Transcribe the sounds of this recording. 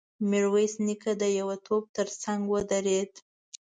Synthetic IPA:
miɾwejsnikad̪əjawat̪ʰob̚t̪əɾt͡saŋɡwəd̪aɾed̪

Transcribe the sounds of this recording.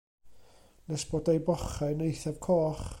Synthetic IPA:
nɛsb̥oːdejbɔχɛnejθav̥kʰɔːχ

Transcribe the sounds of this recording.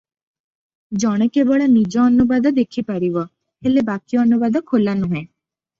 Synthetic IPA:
d͡ʒɔɽ̃ekebɔɭanid͡ʒɔːnubad̪ɔd̪ekʰipaɾiʋɔ | helebakijɔːnubad̪ɔkʰolanuɦɛ̃

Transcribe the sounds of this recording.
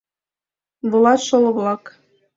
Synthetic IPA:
βɤ̆lˠɑt̪ʃolˠɤ̆βlˠɑk

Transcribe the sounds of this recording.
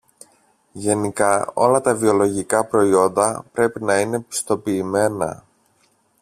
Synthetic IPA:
ʝe̞nikɐo̞̰lɐt̪ɐvio̞lo̞ʝikɐpɾo̞io̞nd̪ɐpɾe̞pinɐine̞pi̥st̪o̞piːme̞nɐ̰

